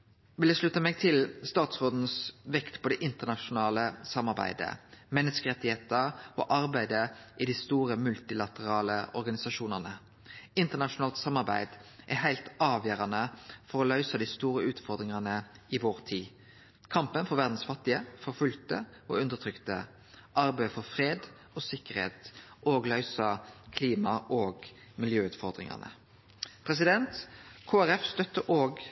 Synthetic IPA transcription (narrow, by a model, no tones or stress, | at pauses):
ʋɪld̪æʃlʉt̪ːəmeːɡ̚t̪ʰɪlst̪ɑːt̪sʁoːd̪n̩sʋɛkt̪pʰɔd̪ɛʔɪnt̪əʁnɑʃʊnɑːləsɑmɑʁbæ̰ɪd̪ə̰mɛnːəskəʁɛt̪ːɪheːt̪əo̰ːʔɑʁbæɪd̪əʔɪd̪ist̪uːʁəmʉlt̪ɪlɑt̪əʁɑːləɔɾɡɑnɪsɑʃuːnəʁnə | ɪnt̪əʁnɑʃʊnɑːlt̪sɑmːɑʁbæ̰ɪd̪ʔæhæɪlt̪ɑːʋjøːɾɑnəfɔʁɔlœʏsəd̪ɪst̪uːɾəʉːt̪fɔʁd̪ʁɪŋɑnəɪʋoːʁt̪ʰiː | kʰɑmpənfɔʁʋæʁd̪n̩sfɑt̪ːɪəfɔʁfʉlt̪ə̰ | oʉnd̪ət̪ʰʁʏkt̪ə | ʔɑʁbæɪfɔʁfʁeːd̪ | oːsɪkːəʁhḛːt̪ʔoːɡlœʏsɑkʰliːmɑʔoːɡ | mɪljøːʉːt̪fɔʁd̪ɾɪ̰ŋɑ̰nə̰ | pʰʁɛs̬ɪd̪ɛnt̪kʰoːæɾɛfst̪œt̪ːəʔoːɡ